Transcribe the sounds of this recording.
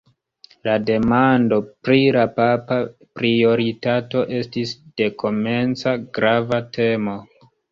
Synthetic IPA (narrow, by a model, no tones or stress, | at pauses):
lade̞mando̞pɾilapapa | pɾio̞ɾitato̞ʔe̞stisd̥e̞kʰo̞me̞nt͡saɡɾavatʰe̞mo̞